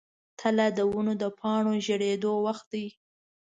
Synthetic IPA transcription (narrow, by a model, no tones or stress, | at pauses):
t̪ʰəlad̪əwunod̪əpʰɑɳoʒəɽed̪owaxt̪̚d̪aj